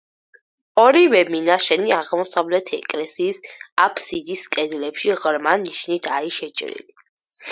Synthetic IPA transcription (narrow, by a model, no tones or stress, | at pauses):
ɔɾivɛminaʃɛniaʁmɔsavlɛt̪ʰɛ̰kʼlɛsiːsapʰsid̪iskʼɛd̪lɛpʃiʁɾmaniʃnit̪ʰaɾiʃɛt͡ʃʼɾḭli